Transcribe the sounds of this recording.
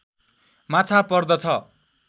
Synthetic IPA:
mat͡sʰapʌrd̪ʌt͡sʰʌ

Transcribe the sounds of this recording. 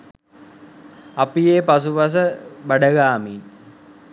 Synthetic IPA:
apijeːpas̬upɐs̬əbaɖəɡaːmin

